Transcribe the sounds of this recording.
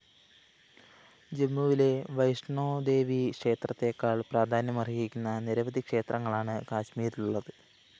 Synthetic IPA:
d͡ʑe̞mːuʋile̞ʋɐjʂɳoːd̪e̞ːʋikʂe̞ːt̪rɐt̪ːe̞kːaːɭpraːd̪ʱaːnjɐmɐrijikʲːunːɐniɾɐʋɐd̪ʱikʂe̞ːt̪rɐŋːɐɭaːɳɨkaːɕmiːɾiluɭːɐðɨ

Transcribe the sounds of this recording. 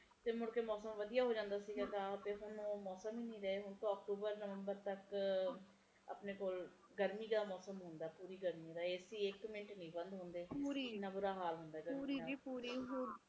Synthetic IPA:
t̪eːmʊɽkeːmɔːsəmʋəd̪ijaːɦoːd͡ʒãːnd̪aːsiːɡaːɡaːt̪eːɦʊnːmɔːsəmiːnĩːɾɛeːɦʊɳt̪õːək̚ʈuːbəɾnəʋəmbəɾt̪ək | ə̰pneːkoːl | ɡəɾmiːɡaːmɔːsəmɦʊ̃nd̪aːpuːɾiːɡəɾmiːɾaːeːsiːɪkmɪnʈnĩːbənd̪ɦʊ̃nd̪eːuːɾinːaːbuːɾaːɦaːlɦʊ̃nd̪aːɡəːɾiuːɾi

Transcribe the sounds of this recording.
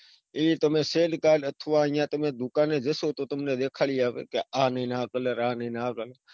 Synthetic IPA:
iːt̪əmẽːseːlkaːlət̪ʰʋãːɪjãːt̪əmẽːd̪ʊkaːnẽːd͡ʒesoːt̪oːt̪əmnẽːd̪eːkʰaːliːaːʋḛːkeaːneːnãːkələɾaːnĩːnãːkəlː

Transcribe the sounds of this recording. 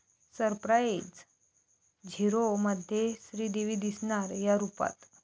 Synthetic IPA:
səɾpɾajd͡z | d͡ʑʱiɾoməd̪ʱjesɾiːd̪eʋiːd̪isɳ̃aɾjaɾupa̰t̪

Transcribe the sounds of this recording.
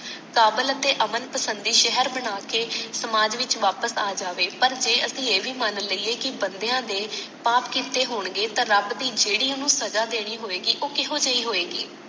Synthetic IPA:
kaːbələt̪eːʔəmənpəsənd̪iːʃɛɦəɾbəɽaːkeːsəmaːd͡ʒʋɪt͡ʃʋaːpəsaːd͡ʒaːʋeːpəɾd͡ʒeːʔəsĩːeːʋiːmənləiːeːkɪbənd̪ejãːd̪eːpaːpkiːt̪eːɦoːɳɡeːt̪ãːɾəbd̪iːd͡ʒeːɽiːonũːsəd͡ʒaːd̪eːɽ̃iːɦoːeːɡiːʔoːkɪɦoːd͡ʒəiːɦoːeːɡḭː

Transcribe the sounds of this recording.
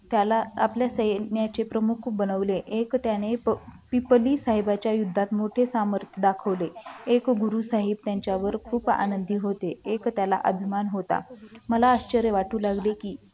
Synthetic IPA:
t̪jalaːpljasəjnjat͡sepɾəmukʰbənəʋleʔekt̪janeppipliːsaɦebat͡ɕjajud̪ʱːat̪moʈʰesaməɾt̪ʰjəd̪akʰəʋleekɡuɾusaɦib̚t̪jaɲt͡ɕjaʋəɾkʰuːpa̰nənd̪ʱiːɦot̪eekt̪jala̰ʔəbʱimanɦot̪a̰məlaəɕt͡ɕəɾjəʋaʈuːlaɡlekiː

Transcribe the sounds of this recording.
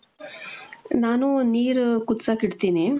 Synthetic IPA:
naːnuniːɾkut̪ːsakiɽt̪iːni

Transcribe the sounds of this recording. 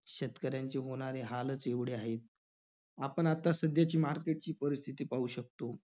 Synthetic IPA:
ɕet̪kəɾjaɲt͡ɕeɦoɽ̃aɾeɦalət͡seʋɽeaɦet̪̚ | apəɳat̪asəd̪jat͡ɕiːmaɾkeʈ̚t͡ɕiːpəɾist̪ʰit̪iːpauːɕək̚t̪o

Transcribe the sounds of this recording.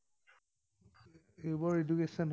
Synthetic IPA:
ebɔɹedukesɔnɦ

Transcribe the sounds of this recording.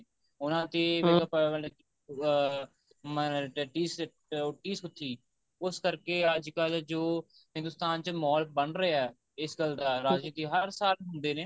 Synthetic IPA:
ʊnãːt̪eːʋeːɡaːpəəle | məʈːʈiːs | ʊʈːiːsɦʊt̪ʰːiː | ʊskəɾkeːaːd͡ʒkaːlad͡ʒoː | hɪ̃nd̪ʊst̪aːnt͡ʃəmɔːl̚bəɳɾəɛː | ɪsɡəld̪aːɾaːd͡ʒit̪iːɦəɾsaːlɦʊnd̪eːneː

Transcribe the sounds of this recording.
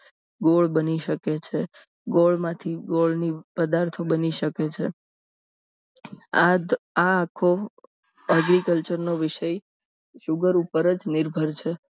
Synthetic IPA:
ɡoɭbəniʃəket͡ʃʰe | ɡoɭmãt̪ʰiɡoɭnipəd̪aɾt̪ʰobəniʃəket͡ʃʰe | aaːkʰo | əɡɾikəlt͡ʃəɾnoʋɪʃəj | ʃʊɡəɾupəɾəd͡ʒnɪɾbʱəɾt͡ʃʰe

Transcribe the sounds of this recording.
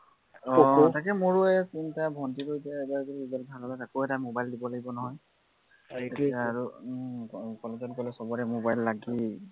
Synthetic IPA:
ɔ̃takɛmoɹʊɛsintabʱɔntiɹojtɛtaɹkoiiɡɔlbʱalɔlɔtakoɛtamobajldibɔlaɡibɔnɔɦɔj | tetikaːɹu | kɔlɔkɔnkɔlɛsɔbɔɹɛmobajlːaɡi

